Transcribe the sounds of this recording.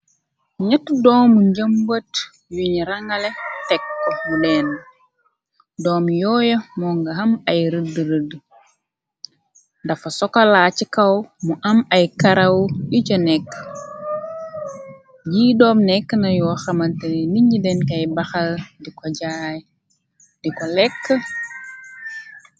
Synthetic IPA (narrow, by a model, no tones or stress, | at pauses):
ɲɐtːudɔːmuɲɟəmbət | juɲiɾɐŋɡɐlɛtɛkːmudɛːn | dɔːmjɔːjɐmɔŋɡɐɦɐmɐjɾədəɾədː | ndɐfɐsɔkɐlaːt͡ʃikɐwmuʔɐmɐjkɐɾɐwicɔnɛkː | d͡ʒiːdɔːmnɛkːənɐjɔwxɐmɐntɐnniɲɟidɛnkɐjbɐxɐldikɔɟaj | dikɔlɛkːə